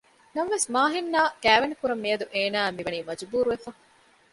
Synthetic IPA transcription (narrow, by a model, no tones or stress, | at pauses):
nɐmʋesmaːɦinːaːkæːʋɐnikuɾɐmːiɐd̪uʔeːnæːmiʋɐniːmɐd͡ʒbuːɾuʋefɐ